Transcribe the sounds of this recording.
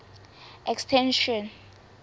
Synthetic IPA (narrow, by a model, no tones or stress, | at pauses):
ʔɛkstʰɛnʃɔn